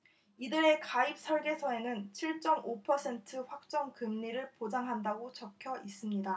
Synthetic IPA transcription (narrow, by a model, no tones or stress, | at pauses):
idɯɾe̞kaip̚s͈ʰʌɭɡe̞sʰʌe̞nɯnt͡ɕʰiɭt͡ɕ͈ʌmʔopʰʌsʰe̞ntʰɯɸwak̚t͡ɕ͈ʌŋkɯmɲiɾɯɭpod͡ʑaŋɦandaɡot͡ɕʌkʰjʌis͈ɯmɲida